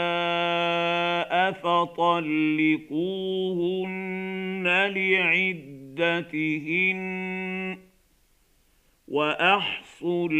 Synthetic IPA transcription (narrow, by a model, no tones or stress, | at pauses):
a | ʔafat̪ˤɑlːɪquːhʊnːalɪʕɪd̪ːat̪ɪhɪn | waʔɑħsˤʊl